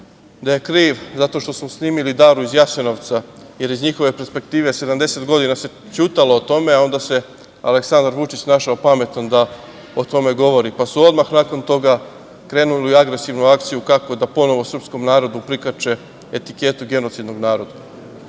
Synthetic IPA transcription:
d̪aje̞kɾiːʋzat̪o̞ʃt̪o̞smosniːmilid̪aːɾuizjaʃeno̞ʋt̪saje̞ɾizɲixo̞ʋe̞peɾspe̞kt̪iːʋe̞sed̪amd̪e̞se̞t̪ɡo̞d̪inase̞ | t͡ɕuːt̪alo̞ːt̪o̞me̞ao̞nd̪ase̞ | a̰le̞ksand̪aɾʋut͡ʃit͡ɕnaːʃaopame̞t̪and̪a | ot̪o̞me̞ɡo̞ʋo̞ɾipasuo̞d̪maxnako̞nt̪o̞ɡa | kɾe̞ːnuliiaɡɾe̞siʋnuakt̪sijukako̞d̪apo̞no̞ʋosr̩psko̞mnaːɾo̞d̪upɾikat͡ʃe̞ | et̪ike̞t̪uɡe̞no̞t̪sid̪no̞ɡnaːɾo̞d̪a

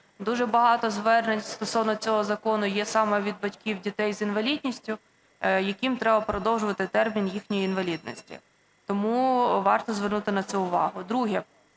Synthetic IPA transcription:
d̪uʒɛbɐɦɑt̪ɔzʋɛrnenʲst̪ɔsɔwnɔt͡sʲɔɦɔzɐkɔnʊjɛsɑmɛʋʲid̪̚bɐtʲkʲiwdʲit̪ɛjzinʋɐlʲidʲnʲisʲtʲʊ | jɐkʲimt̪ɾɛbɐpɾɔd̪ɔwʒʊʋɐt̪ɪt̪ɛrmʲinjixnʲɔjiinʋɐlʲid̪nɔ̰sʲtʲḭ | t̪ɔmuʋɑrt̪ɔzʋɛrnut̪ɪnɐt̪sɛʊʋɑɦʊd̪ɾuɦɛ

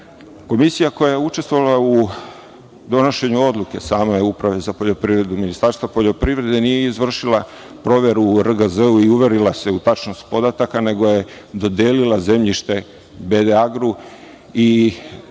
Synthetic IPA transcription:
ko̞misijako̞jajeut͡ʃest̪vo̞ʋalˠau | d̪o̞no̞ʃe̞ɲuo̞d̪lˠuke̞saːme̞upɾaʋe̞zapo̞ʎo̞pɾiʋɾe̞d̪uminist̪aɾst̪vʋapo̞ʎo̞pɾivɾe̞d̪e̞nije̞izʋr̩ʃilˠa | pɾo̞ːʋe̞ɾuːɾɡəzeuiuʋe̞ɾilase̞ut̪at͡ʃno̞st̪po̞d̪at̪akane̞ɡo̞je̞ | d̪o̞d̪eːlilaze̞mʎiʃt̪e̞ | be̞d̪eaɡɾu | i

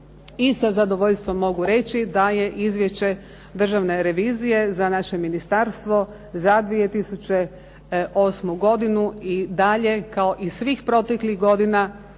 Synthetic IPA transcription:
isazad̪oʋoʎst̪ʋo̞mːo̞ɡuɾe̞t͡ʃid̪aje̞ʔizʋʲje̞ʃt͡ɕe̞ | d̪r̩ʒaʋne̞ɾe̞ʋiːzije̞zanaʃe̞minist̪aɾst̪ʋo̞ | zad̪ʋijet̪isut͡ɕe̞ | ʔo̞ːsmuɡo̞d̪inuid̪aʎe̞kao̞ʔisʋiːxpɾo̞t̪ekliɣɡo̞d̪ina

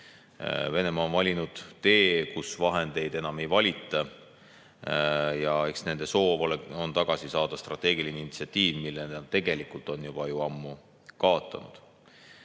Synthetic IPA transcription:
ve̞ne̞mɑonvɑlʲinud̪̥t̪e̞ːkusvɑɦe̞nd̪̥e̞jd̪̥e̞nɑme̞jvɑlʲit̪ːˑɑ | jɑe̞ksne̞nd̪e̞so̞ːvoleo̞nt̪ɑɡ̥ɑsisɑːd̪̥ɑst̪rɑt̪ːˑe̞ːɡ̥ilineinit̪siɑt̪ʲːiːvmilːent̪ːe̞ɡe̞likult̪ˑo̞njub̥ɑjuɑmːu | kɑo̞t̪ːˑɑ̰nṵd̪̥

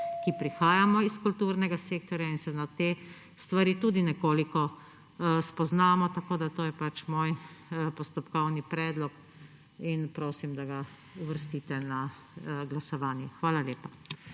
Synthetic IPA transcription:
kipɾixaːjamɔiskult̪uːɾnɛɡaseːk̚t̪ɔɾjainsɛnat̪eː | st̪ʋaɾiːt̪uːd̪inɛkoːlikɔ | spɔznaːmɔt̪akoːd̪at̪oːjɛpat͡ʃmoːjpɔst̪ɔpkɔwnipɾɛːd̪lɔk | inpɾoːsimd̪aɡa | uʋəɾst̪iːt̪ɛna | ɡlasɔʋaːnjɛxʋaːlaljeːpa

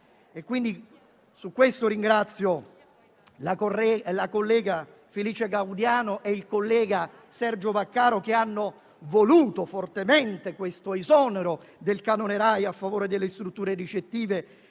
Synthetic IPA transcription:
ekːwind̪i | sukːwest̪oɾiŋɡɾat̪sːjo | lakorɛlakolːɛːɡa | feliːt͡ʃeɡawd̪jaːnoʔeilkolːɛːɡa | sɛrd͡ʒovakːaːɾok̟eanːo | voluːt̪ofort̪ement̪ekwest̪oizɔneɾo | d̪elkanoneɾajafːavoːɾed̪elːest̪ɾut̪ːuːɾerit͡ʃet̪ːiːve

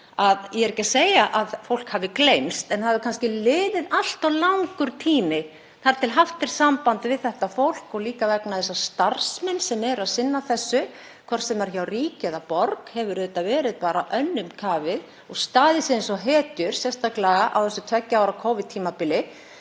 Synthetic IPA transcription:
aðjɛɛɾecːaseːjaʔaðfowl̥khavɪklejmst̪ɛnhavʏɾkʰanscɪlɪːðɪðal̥t̪awlawŋkʏɾ̥t̪ʰiːmɪ | θaɾ̥t̪ʰɪlɦaft̪ɪɾ̥saːmpant̪vɪðθɛht̪afowl̥kɔɣliːkavɛknaθɛs̬ːast̪aɾ̥smɛnsɛmɛɾaðsɪnːaθɛsːʏ | kʰvɔɾ̥sɛmaɾ̥çawriːcɪðapɔɾkhɛvʏɾʏt̪ːavɛːɾɪðpaːɾaʔœnːʏmkʰaːvɪð | ɔɣst̪aːðɪsɪensɔɦɛːt̪ʏɾ̥sjɛst̪aklɛɣaʔa̰wθɛsːʏt̪ʰvɛcːaaːwɾakʰɔːvɪðt̪ʰiːmapɪlɪ

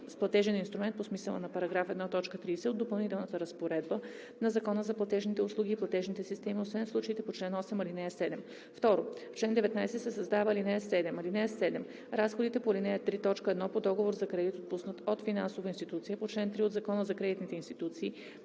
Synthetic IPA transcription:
splˠɐt̪ɛʒɛninst̪ɾumɛnt̪posmisəlˠə̰nɐpɐɾɐɡɾafɛd̪nat̪ɔt͡ʃkət̪ɾisɛod̪opɐlˠnit̪ɛlˠnət̪əɾəspoɾɛd̪bə | nɐzɐkɔnəzɐplˠɐt̪ɛʒnit̪ɛʊslˠuɡ̟iːplˠɐt̪ɛʒnit̪ɛsist̪ɛmiosvɛnslˠut͡ʃəit̪ɛpot͡ʃlɛnɔsɛmilinɛsɛd̪ɛm | ft̪ɔɾoft͡ʃlɛnd̪ɛvɛt̪najsɛt̪sɛsɐzd̪avəlinɛsɛd̪ɛmɐlinɛsɛd̪ɛm | ɾasxod̪it̪ɛpolinɛɛt̪ɾit̪ɔt͡ʃkəɛd̪nɔpod̪ɔɡovoɾzɐkɾɛd̪it̪ot̪̚pusnət̪ot̪finansovəinst̪it̪ut̪sijəpot͡ʃlɛnt̪ɾiod̪zɐkɔnəzɐkɾɛd̪it̪nit̪ɛinst̪it̪ut̪siː

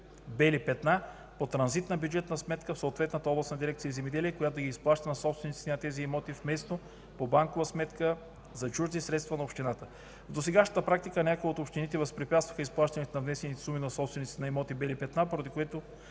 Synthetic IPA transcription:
bɛlipɛt̪na | pot̪ɾɐnzit̪nəbjud͡ʒɛt̪nəsmɛt̪kəfsot̪vɛt̪nət̪əɔblˠɐsnɐd̪iɾɛk̚t̪iəizɛmɛd̪ɛliɛkojat̪oɡisplˠaʃt̪ɐnɐsɔpst̪vɛnit̪si̥t̪ɛnɐt̪ɛziɛmɔt̪ifmɛst̪o | pobaŋkovəsmɛt̪kə | zɐt͡ʃuʒzisɾɛt̪st̪vɐnɐopʃt̪inat̪ə | vd̪osɛɡaʃnət̪əpɾakt̪ikənʲakojot̪opʃt̪init̪ɛvɐspɾipʲjat̪t̪vəxəisplˠaʃt̪ɐnit̪ɛnɐvnɛsɛnit̪ɛ̥suminɐsɔpsvɛnit̪sit̪ɛnɛmɔt̪ibɛlipɛt̪napoɾəd̪ikoɛt̪o

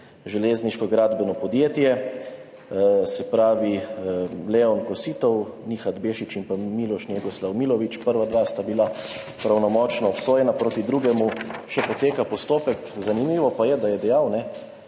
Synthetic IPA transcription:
ʒɛleːzniʃkɔɡɾaːd̪bɛnɔpɔd̪jeːt̪jɛ | sɛpɾaːʋi | lɛɔnkɔsiːt̪ɔw | nixad̪beːʃit͡ʃimpamiːlɔʃnjeɡɔslawmilɔʋit͡ʃpəɾʋad̪ʋast̪abila | pɾawnɔmɔt͡ʃnɔːpsoːjɛnapɾoːt̪id̪ɾuːɡɛmuʃɛpɔt̪eːkapɔst̪oːpɛkzanimiːʋɔpajɛd̪ajɛd̪ɛjawnɛ

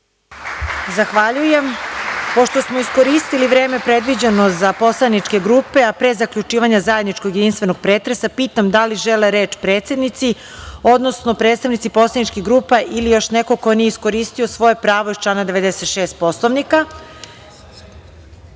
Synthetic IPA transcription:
zaxʋaʎuje̞mpo̞ʃt̪o̞smoisko̞ɾiːst̪iliʋɾe̞ːme̞pɾe̞d̪ʋid͡ʑeno̞zapo̞slˠanit͡ʃke̞ɡɾuːpe̞apɾezakʎut͡ʃiːʋaɲazajed̪nit͡ʃkoɡjed̪inst̪ʋe̞no̞ɡ̚pɾeːt̪ɾe̞sapiːt̪amd̪aliʒeleɾe̞ːt͡ʃpɾeːt̪se̞d̪nit̪si | o̞d̪no̞sno̞pɾe̞ːt̪st̪aʋnit̪ipo̞slˠanit͡ʃkiɡɾuːpaʔilijo̞ʃneko̞ko̞nijeisko̞ɾiːst̪io̞sʋo̞je̞pɾaːʋojit͡ʃlˠanad̪eʋe̞d̪eset̪ʃeːst̪̚po̞slˠoʋnika

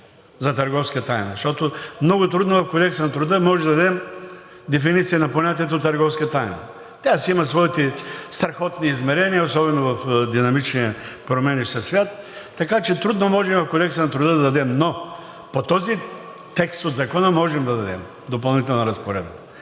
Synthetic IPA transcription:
zɐt̪ɐɾɡɔfskiət̪ajnɐʃt̪ɔt̪omnɔɡʊt̪ɾud̪novɐfkod̪ɛksənɐt̪ɾʊd̪əmɔʒɛd̪ɐd̪ɐd̪ɛm | d̪ɛfinit̪sijɐnɐponʲat̪iɛt̪oːt̪ːɐɾɡɔfskiət̪ajnɐ̰ | t̪ʲasimɐsvɔit̪ɛst̪ɾɐxɔt̪niːzmɛɾɛniəosɔbɛnovɐfd̪inɐmit͡ʃniəpɾomɛnisɐsvʲjat̪ː | ɐkat͡ʃɛt̪ɾud̪nomɔʒɛmvɐfkod̪ɛksənɐt̪ɾʊd̪əd̪ɐd̪ɐd̪ɛmno | pot̪ɔzi | t̪ɛkst̪od̪zɐkɔnəmɔʒɛmd̪ɐd̪ɐd̪ɛm | d̪opɐlˠnit̪ɛlˠnɐɾɐspoɾɛ̰d̪̚bə

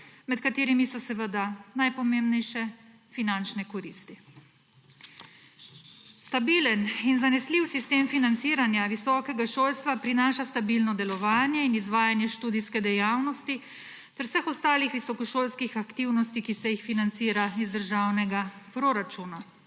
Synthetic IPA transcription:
mɛt̪kat̪eːɾimisɔsɛʋəd̪anajpɔmembnɛjʃɛ | finant͡ʃnɛkɔɾiːst̪i | st̪abiləninzanɛsliwsist̪eːmfinant̪siːɾanjaʋisɔːkɛɡaʃoːlst̪ʋapɾinaːʃast̪abilnɔd̪ɛlɔʋaːnjɛinizʋaːjanjɛʃt̪uːd̪iskɛd̪ɛjawnɔst̪i | t̪ɛɾwsɛxɔst̪aːlixʋisɔkɔʃoːlskixakt̪iwnɔst̪ikisɛjixfinant̪siːɾaizd̪əɾʒaːwnɛɡapɾoɾat͡ʃuːna

